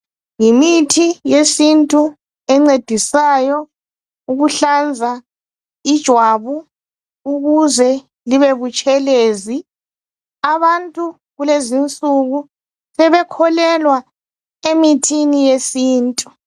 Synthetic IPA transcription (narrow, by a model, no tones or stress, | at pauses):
ŋimitʰijesintʼu | ɛŋ͡ǀed̥ʱisajɔ | uɣuɬand͡zʱa | id̥ʒ̥ʱwaβu | uɣuzɛ | liβeβut͡ʃʼɛleːzi | aβantʼu | ɣulezint͡sʼuɣu | sɛβɛkʰɔlɛlwa | emitʰinijesiːntʼu